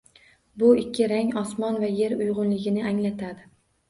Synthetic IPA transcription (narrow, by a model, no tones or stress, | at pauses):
bʊɪkʲːɪɾaŋɒsmɒnvaje̞ɾʊjʁʊnlɪɡʲɪnɪaŋlat̪ʰad̪ɪ